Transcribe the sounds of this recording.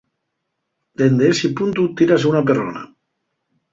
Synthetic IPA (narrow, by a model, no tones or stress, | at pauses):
d̪̥end̪eesipunt̪ut̪iɾasunap̬eɾo̰na̰